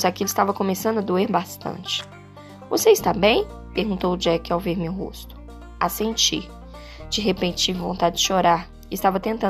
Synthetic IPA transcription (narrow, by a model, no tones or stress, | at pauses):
zakilʊɪst̪avɐkõmesɐ̃nd̪ʊɐd̪oeɾbast̪ɐ̰̃t͡ʃɪ̥ | voseɪst̪abẽj̃ | peɾɡũnt̪owʊd͡ʒɛkɪawveɾmewɦo̰st̪ʊ̥ | asẽnt͡ʃiɾ | d͡ʒɪɦepẽt͡ʃt͡ʃivvõnt̪ad͡ʒɪd͡ʒɪʃoɾaɾ | ɪst̪avɐt̪ẽnt̪ɐ̃